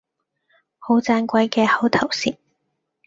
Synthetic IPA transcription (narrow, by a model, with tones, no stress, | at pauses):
ho˨˥wt͡saː˧nkʷɐ˨˥jkɛː˧hɐ˨˥wt̪ʰɐ˨˩wsiː˨˥t̚